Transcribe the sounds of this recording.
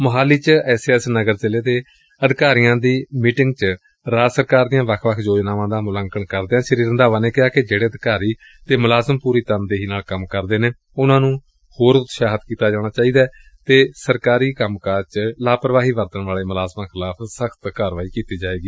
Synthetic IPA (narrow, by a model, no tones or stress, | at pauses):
məɦaːliːt͡ʃɛːseːɛsnəɡəɾzɪleːd̪eː | əd̪ɪkaːɾijãːd̪iːmiːʈɪ̃ŋɡt͡ʃə | ɾaːd͡ʒsəɾkaːɾd̪ɪjãːʋəkʰʋəkʰd͡ʒoːd͡ʒnaːʋãːd̪aːmʊləŋkənkəɾd̪eːaːʃəɾiːɾənd̪aːʋãːneːkɪaːked͡ʒeːɽeːəd̪ɪkaːɾiː | t̪eːmʊlaːzəmpuːɾiːt̪ənd̪eːɦiːnaːlkəmkəɾd̪eːneː | ʊnãːnũː | hoːɾʊt̪ʃaːɦət̪kiːt̪aːd͡ʒaːɽ̃aːt͡ʃaːiːd̪aː | t̪eːsəɾkaːɾiːkəmkaːɾt͡ʃlaːpəɾʋaːɦiːʋəɾt̪əɳʋaːleːmʊlaːzmãːkʰɪlaːpʰsəkʰt̪kaːɾʋaːiːkiːt̪iːd͡ʒaːeːɡiː